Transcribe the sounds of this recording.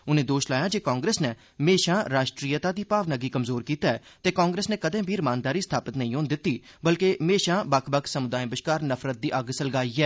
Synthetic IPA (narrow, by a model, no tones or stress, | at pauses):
ʊnẽːd̪oːʃlaːjaːd͡ʒeːkaːŋɡɾeːsneː | meːʃãːɾaːʃʈɾiːjət̪aːd̪iːpaːʋnəɡiːkəmzoːɾkiːt̪aːɛː | t̪eːkaːŋɡɾeːsneːkəd̪ẽːbʱiːɾɪmaːnd̪aːɾiːst̪ʰaːpət̪nəĩːoːnd̪ɪt̪ːiː | bəlkeːmeːʃãːbəkʰbəksəmʊd̪aːẽːbəʃkaːɾnəpʰɾət̪̚d̪iːʔəɡsələɡaːiːɛː